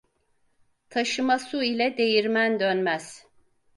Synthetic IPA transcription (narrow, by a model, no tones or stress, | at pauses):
t̪ʰaʃɯmasuilʲɛd̪e̞jiɾmænd̪ønmæz̥